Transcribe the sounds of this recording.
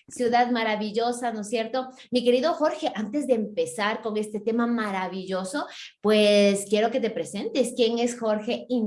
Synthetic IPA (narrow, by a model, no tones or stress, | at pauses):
sjuðaðmaɾaβiʝo̞sano̞sje̞ɾt̪o̞ | mike̞ɾiðo̞xo̞ɾxe̞ʔant̪e̞zðe̞ːmpe̞saɾko̞ŋe̞st̪e̞t̪e̞mamaɾaβiʝo̞so̞pweskje̞ɾo̞ke̞t̪e̞pɾe̞se̞nt̪eskje̞ŋe̞sxo̞ɾxe̞i